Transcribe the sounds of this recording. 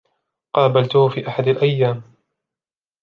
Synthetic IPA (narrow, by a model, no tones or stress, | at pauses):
qɑːbalt̪ʊhʊfiːʔaħad̪alʔajːaːm